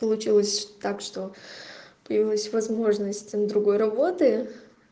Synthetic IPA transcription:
pəlˠʊt͡ɕilˠəsʲt̪akʂt̪o̞ | pəjɪvʲilˠəsʲvɐzmo̞ʐnəsʲtʲmd̪ɾʊɡo̞jrɐbo̞t̪ɨ

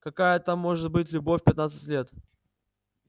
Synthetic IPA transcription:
kɐkajət̪amːo̞ʐɨt̪̚bɨtʲlʲʊbofʲpʲɪt̪nat̪sə̥tʲlʲe̞t̪

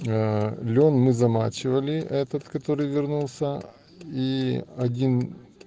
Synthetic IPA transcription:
lʲo̞nmɨzɐmat͡ɕɪvəlʲɪɛt̪ət̪kɐt̪o̞ɾɨjvʲɪrnulˠsʲə | iɐdʲin

